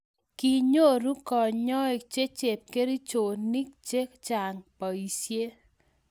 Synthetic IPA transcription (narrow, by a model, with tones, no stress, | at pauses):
ki˨ɲo˦˨ɾu˦kɔ˨ɲɲɔ˦e˨t͡ʃe˦t͡ʃe˨p̚ke˦ɾi˦t͡ʃo˨ni˦k̚t͡ʃe˦kt͡ʃa˨ŋpa˨i˨sje˦